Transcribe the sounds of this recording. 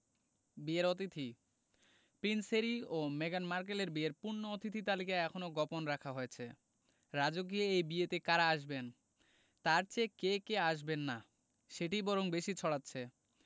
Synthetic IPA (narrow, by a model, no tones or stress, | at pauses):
bieɾot̪̬it̪ʰi | pɾinseɾiomeɡanmaɾk̬eleɾbieɾpuɾnːoot̪it̪ʰit̪alikaeɛkʰonoɡɔponɾakʰaɦoet͡ɕʰḛ | ɾad͡ʑok̬ieejbiet̪ekaɾaaʃben | t̪aɾt͡ɕekekeaʃ̬benːa | ʃeʈibɔɾoŋbeʃit͡ɕʰɔɽatːɕʰe